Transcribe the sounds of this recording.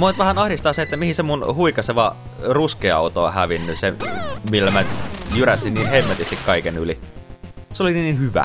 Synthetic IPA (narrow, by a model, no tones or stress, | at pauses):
moit̪ʋæhænɑhdist̪ɑːset̪ːæmihisemunhuikɑseʋɑ | ruskeɑ̰ot̪oɑhæʋinːysemilːæmæjyræsinniːnhemːet̪ist̪ikkɑikenyli | seolininiːnhyʋæ̰